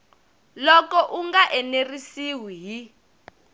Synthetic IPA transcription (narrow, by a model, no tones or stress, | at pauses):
lɔkɔʔuŋɡaʔɛnerisiwiɦi